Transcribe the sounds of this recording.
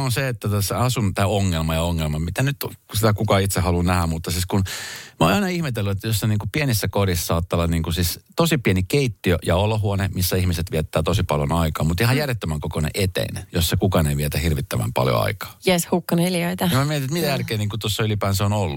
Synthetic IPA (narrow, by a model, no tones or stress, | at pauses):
onseet̪ːæt̪æsːeɑsunt̪æːoŋːelmɑjɑoŋːelmɑmit̪ænyt̪sit̪ækukɑit̪sehɑlunæhæmmut̪ːɑsiːskunmoɑinɑihmet̪elːuet̪ːæjosːɑniːŋkupienisːækorissɑːt̪ːɑlːɑniːŋkusist̪osipienikeit̪ːiøjɑoloɦuɑnemisːæihmiset̪ʋiɛt̪ːæːt̪osipɑljo̰nɑikɑːmmut̪ihɑjærjet̪ːømæŋkokonḛʔet̪ḛinejosːɑkukɑneiʋiet̪æhirʋit̪ːæʋæ̰mpɑ̰ljo̰ɑ̰ikɑ̥ːjeshukːɑnelioit̪ɑɑmmæmiɛt̪inet̪mit̪æjærkeːniːŋkut̪osːɑylipæːnseonolːu